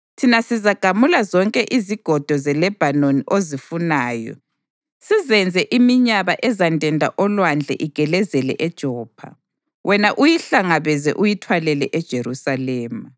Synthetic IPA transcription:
tʰinasizaɡ̥ʱamulazɔŋkʼɛʔiziɡ̥ʱɔd̥ʱɔzɛlɛb̥ʱanoniʔozifunaːjɔ̰ | sizɛnd͡zʱɛʔimiɲaβaʔɛzandʼʱɛndʱaʔɔlwand͡ɮʱɛ̰ʔiɡ̥ʱɛlɛzɛlɛ̰ʔɛd̥ʒ̥ʱɔːpʰa̰ | wʔɛnaʔujiɬaŋaβɛzɛ̰ʔujitʰwalɛlɛʔɛd̥ʒ̥ʱeɾusalɛːma

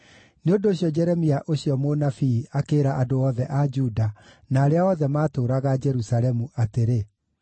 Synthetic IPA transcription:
neondoːɕiɔd͡ʒɛɾɛmiaʔoɕijɔmonafiakeːɾaʔadoɔðɛʔad͡ʒuːda | naːɾeaɔðɛmaːtoɾaɣad͡ʒɛɾusalɛmuʔateɾe

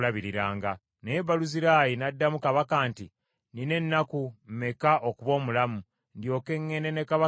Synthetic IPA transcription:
laβiɾiɾaːŋɡa | neeβaluziɾaːjinadːamukaβakaːnti | nine̞nːakum̩me̞kaʔokuβo̞ːmulamu | ndjo̞ːke̞ŋːe̞ne̞ne̞kaβa

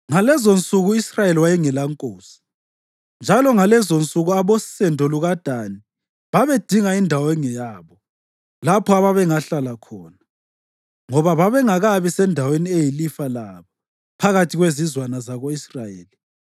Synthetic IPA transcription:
ŋalɛzont͡sʼuɣuisrajeliwajɛŋɛlaŋkʼoːsi̥ | nd͡ʒʱalɔŋalɛzont͡sʼuɣuaβosɛndʱɔluɣad̥ʱani | βaβed̥ʱiŋaindʱawɛŋɛjaːβɔ | lapʰɔaβaβɛŋaɬalakʰɔːna | ŋɔβaβaβɛŋaɣaβisɛndʱaweniejilifalaβɔ | pʰaɣatʰiɣwezizwanazaɣoisrajeːli

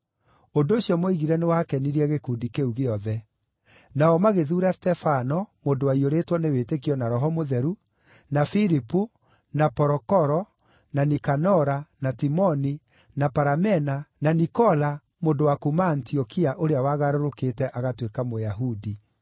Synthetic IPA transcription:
ondoːɕiɔmoiɣiɾɛnewakɛniɾiɛɣekuːndikeuɣeɔðɛ | naɔmaɣeðuːɾastɛfanɔmondowaioɾetwɔnewetekiɔnaɾɔɦɔmoðɛɾu | nafiɾipu | napɔɾɔkɔɾɔ | nanikanɔɾanatimɔni | napaɾamɛnananikɔla | mondowakumaːntiɔkiaʔoɾeawaɣaɾoɾoketɛʔaɣatwekamojaɦudi

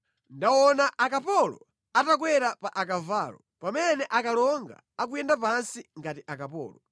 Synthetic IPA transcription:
ndawɔnaʔakapɔlɔ̰ | atak̬wɛɾapaʔakavaːlɔ | pamɛnɛʔakalɔŋɡa̰ | ak̬ujɛndapansiŋɡatiʔakapɔ̰ːlɔ

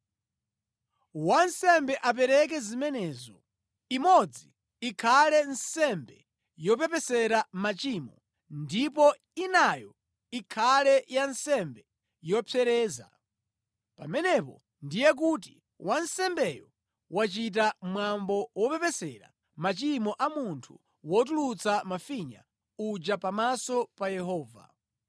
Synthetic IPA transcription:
wansɛmbɛʔap̬ɛɾɛk̬ɛzimɛnɛːzɔ | imɔd͡ziː | kʰalɛnsɛmbɛ | jɔp̬ɛpɛsɛɾamat͡ʃimɔ | ndip̬ɔ | inajɔ | ikʰalɛjansɛmbɛ | jɔpʰɛɾɛːza̰ | pamɛnɛpɔ̰ | ndijɛk̬ut̬i | wansɛmbɛjɔ | wat͡ʃit̬amwambɔwɔpɛpɛsɛɾa̰ | mat͡ʃimɔʔamuntʰu | wɔt̬ulut͡samafiɲa̰ | ud͡ʒapamasɔpajɛhɔːva̰

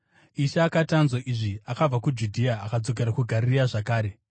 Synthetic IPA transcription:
iʃaːkatanzoʔiʐiakab͡vakud͡ʒudʱiaːkad͡zo̞k̬e̞ɾakuɡʱaɾiiaʐakaːɾe̞

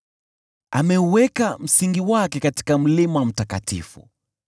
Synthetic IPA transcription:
a̰mɛuwɛkam̩siŋɡiwakɛkati̥kam̩limawm̩taka̰tḭfṵ

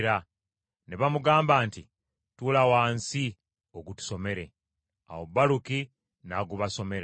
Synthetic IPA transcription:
ɾa | neβamuɡaːmbaːnti | tulawaːnsi | oɡutu̥so̞me̞ɾe̞̰ | a̰wobːaluki | naɡuβaso̞me̞ɾa

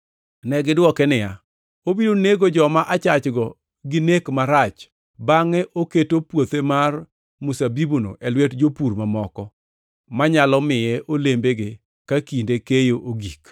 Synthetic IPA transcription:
nɛɡɪdwɔkɛnɪja | obidoneɡod͡ʒɔmaʔat͡ʃat͡ʃɡɔ | ɡɪnekmaɾat͡ʃ | baŋɛʔoketopwot̪emar | mʊsabibuno̰ʔɛlwetd͡ʒopuɾmamɔkɔ | maɲalɔmɪjɛʔolembeɡɪ | kakindekejoʔoɡik

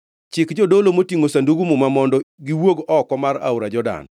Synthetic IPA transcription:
t͡ʃɪkd͡ʒɔdolomotiŋosanduɡumumamɔndɔɡɪwoɡɔkɔmaɾa̰wɾad͡ʒɔda̰n

